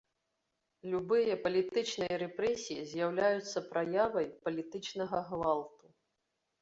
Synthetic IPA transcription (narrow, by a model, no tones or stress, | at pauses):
lʲubɨjɐpɐlʲit̪ɨt͡ʂnɨjɐɾɛpɾɛsʲijizʲjawlʲajut̪sːɐpɾajavɐjpɐlʲit̪ɨt͡ʂnɐɣɐɣvalˠt̪u